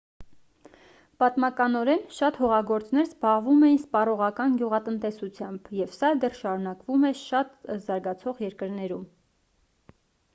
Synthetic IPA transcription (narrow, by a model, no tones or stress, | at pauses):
pɑt̪mɑkɑnɔɾɛnʃɑt̪hɔʁɑɡɔɾt͡snɛɾzbɑʁvumɛjinspɑrɔʁɑkɑnɡʲjuʁɑt̪ənt̪ɛsut͡sʰjɑmbjɛvsɑd̪ɛrʃɑɾunɑkvumɛʃɑt̪zɑɾɡɑt͡sʰɔʁjɛɾkəɾnɛɾum